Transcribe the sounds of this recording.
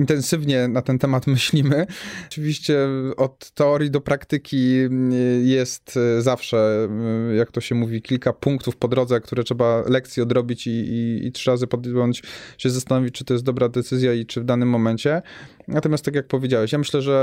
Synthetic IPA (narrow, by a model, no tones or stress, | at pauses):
int̪ɛnsɘvɲɛnat̪ɛnt̪ɛmat̪mɘɕlʲimɘt͡ʂɘvʲiɕt͡ɕɛɔt̪ːɛɔɾjid̪ɔpɾakt̪ɘkʲi | jɛst̪zafʂɛ | jak̚t̪ɔɕɛmuvʲikʲilkapuŋkt̪ufpɔd̪ɾɔd̪zɛkt̪uɾɛtʂɛbalɛkt̪sʲjiɔd̪ɾɔbʲit͡ɕiḭːtʂɘɾazɘpɔd̪jɔɲt͡ɕɕɛzast̪anɔvʲit͡ɕt͡ʂɨt̪ɔjɛsd̪ɔbɾad̪ɛt̪sɘzʲjait͡ʂɘvd̪anɘmːɔmɛɲt͡ɕɛ | nat̪ɔmʲast̪akʲjak̚pɔvʲjed͡ʑawɛɕjamɘɕlɛʐɛ